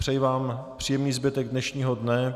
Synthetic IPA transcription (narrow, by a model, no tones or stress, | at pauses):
r̥ɛjvaːmpr̝̥iːjɛmniːzbɪt̪ɛɡ̚dnɛʃɲiːɦodnɛ